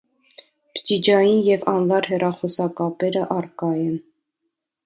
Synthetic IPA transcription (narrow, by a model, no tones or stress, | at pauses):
pd͡ʒid͡ʒɑjinjɛvɑnlɑɾɦɛrɑχɔsɑkɑpɛɾəʔɑrkɑjɛn